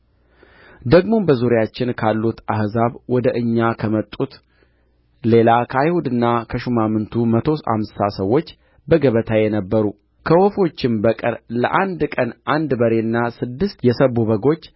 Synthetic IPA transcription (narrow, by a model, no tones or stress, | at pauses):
d̪əɡmo̞bəzuɾjat͡ʃːɪnkʰalːut̪ahzaβwɔd̪əʔɨɲːakʰəmət̪ʼut̪ | le̞lakʰəajhud̪ɨnːakʰəʃumamɨnt̪ʰumət̪ʰo̞sa̰msasəwːo̞t͡ʃː | bəɡəβət̪ʰajɛnəbːəɾu | kʰəwɔfo̞t͡ʃːɪmbəkʼə̰ɾləʔand̪kʼənʔand̪bəɾe̞nːasɨd̪ːɨst̪jɛsəβuβəɡo̞t͡ʃː